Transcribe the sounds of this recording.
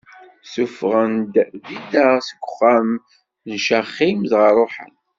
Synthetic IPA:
sufʁənd̪ðid̪aʁsɡʷʊ̥χːæm | nʃæχimðʁərˤoħə̰n

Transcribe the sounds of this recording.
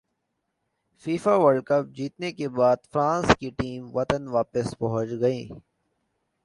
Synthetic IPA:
fiːfaʋɐɾɖ̚kɐp̚d͡ʒiːt̪nekebaːd̪fɾãːnskiʈiːmʋɐt̪ənʋaːpɪspɐɦʊ̃t͡ʃɡɐĩː

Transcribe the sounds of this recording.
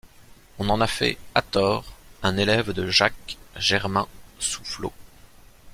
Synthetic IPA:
ɔ̃nɑ̃nafɛ̰at̪ɔːʁɛ̃nelɛvd̪əʒakʒɛʁmɛ̃su̥flo̰

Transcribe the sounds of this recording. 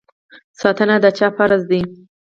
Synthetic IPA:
sɑt̪ənad̪ət͡ʃɑpaɾazd̪i

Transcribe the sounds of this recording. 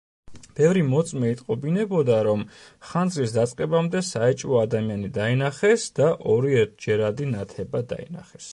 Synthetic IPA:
b̥ɛvɾimɔt̪sʼmɛit̪ʼqʼɔbinɛbɔd̪aɾɔmχand̪zlisd̪at̪sʼqʼɛbamd̪ɛsaɛt͡ʃʼvɔad̪amianid̪ainaχɛsd̪̥aʔɔɾiɛɾt̪̚ʰd͡ʒɛɾad̪inat̪ʰɛbad̪a̰ḭnaχɛs

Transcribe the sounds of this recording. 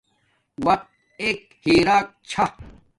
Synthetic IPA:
wɐk̪̚t̪̚ | eːk | hiːɾaːk̚t͡ɕʰa

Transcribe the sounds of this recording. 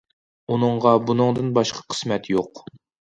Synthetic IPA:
unɨɴʁɑbunɨŋd̪ɨnbɑʃqʰɑ̥qʰə̥smɛt̪joq

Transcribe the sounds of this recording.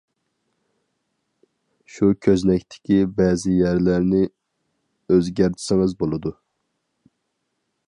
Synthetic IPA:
ʃukʲʰøznɛkʲt̪ʰɪ̥kʲibɛzɪjæɾlæɾnɪ | øzɡʲæɾt̪ʰɪ̥sɪŋɨzbolˠɨd̪u

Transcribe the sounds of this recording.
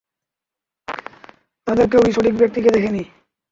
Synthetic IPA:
t̪ad̪eɾk̬ewiʃoʈik̚bjek̚t̪iked̪ekʰeni

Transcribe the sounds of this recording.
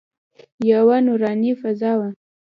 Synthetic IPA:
jawanuɾɑnifazɑwa

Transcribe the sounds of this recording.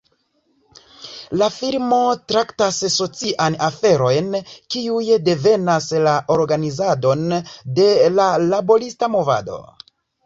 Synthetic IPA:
lafiɾmo̞tɾaktasso̞t͡siʔanafe̞ɾo̞jnkiujde̞ve̞naslaʔo̞ɾɡanizado̞nde̞lalabo̞ɾistamo̞va̰do̞̰

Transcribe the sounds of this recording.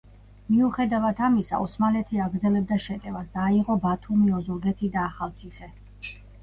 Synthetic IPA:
miuχɛd̪avat̪ʰamisa̰ɔsmalɛt̪ʰiaɡɾd̪zɛlɛb̚d̪aʃɛt̪ʼɛvasd̪aːiʁɔbat̪ʰumiɔzuɾɡɛt̪ʰid̪aːχalˠt̪sʰiχɛ

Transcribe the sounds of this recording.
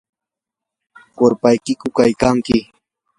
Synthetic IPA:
koɾpajkɪkʊkajkaŋkɪ

